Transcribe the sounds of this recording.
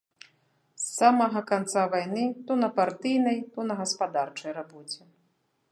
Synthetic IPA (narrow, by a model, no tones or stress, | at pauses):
sːamɐɣɐkant̪savajnɨt̪ɔnɐpart̪ɨjnɐjt̪ɔnɐɣɐspad̪art͡ʂɐjrabɔt͡sʲɛ